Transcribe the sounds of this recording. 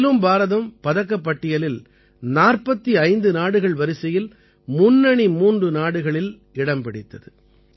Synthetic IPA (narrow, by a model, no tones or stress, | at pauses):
lɯmbaːɾɐðɐmpɐðɐk̬ːɐpːɐʈːɪjɐlɪl | naːrpɐt̪ːiɐɪnd̪ɯnaːɽɯɣɐɭʋɐɾɪsɐjɪl | mʊnːɐɳimuːndrɯnaːɽɯɣɐɭɪl | ɪɽɐmpɪɽɪt̪ːɐðɯ